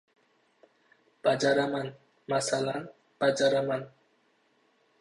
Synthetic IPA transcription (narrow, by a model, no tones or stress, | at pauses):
b̥ad͡ʒaɾaman | masalan | b̥ad͡ʒaɾaman